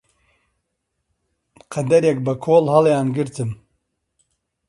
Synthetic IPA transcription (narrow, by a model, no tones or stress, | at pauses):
qʰɐd̪ɐɾjek̚bɐkʰoːlhɑljaːnɡɨɾt̪ʰɨm